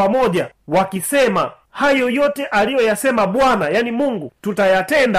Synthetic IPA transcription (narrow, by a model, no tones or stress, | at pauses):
amɔʄawakisɛma | hajɔjɔtɛʔalijɔjasɛmaɓwanajanimuŋɡututajatɛnda